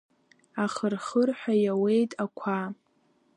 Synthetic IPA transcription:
aχərχərħʷᶣajawe̞jtʼakʷʰa

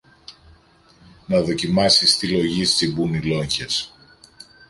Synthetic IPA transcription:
nɐðo̞cimɐsist̪ilo̞ʝist͡s̪ibunilo̞ɲçes

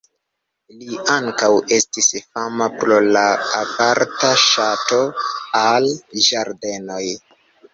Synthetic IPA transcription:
liaŋkawʔe̞stisfamapɾo̞laːvaɾtaʃato̞alʒaɾde̞no̞j

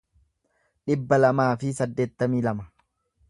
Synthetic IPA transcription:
ᶑɪbːɐlɐmaːfɪsɐd̪ːe̞ːt̪ːɐmiːlɐmɐ

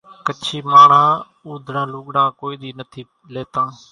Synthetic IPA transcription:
kət͡ʃʰiːmaːɳ̤ãː | uːd̪ʱɾãːluːɠɽãːkoːiːɗ̪iːnət̪ʰiː | leːt̪ãː

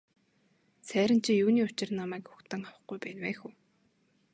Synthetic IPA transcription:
sæːɾʲɪ̆n̥t͡ɕʰĭjuːniːʊt͡ɕɪ̆rnamæːkxʊ̥xt̪ə̆ŋawə̆χɡujpæːnwæːxuː

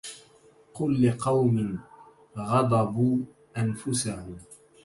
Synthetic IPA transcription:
qʊlːɪqɑwmɪn | ɣɑd̪ˤɑbuː | ʔanfʊsahʊm

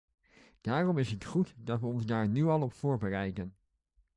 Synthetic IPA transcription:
d̥aːrɔmɪsətχutdɑtʋəɔnzdaːɹnyɑlˠɔpfʊːɹbərɛjdən

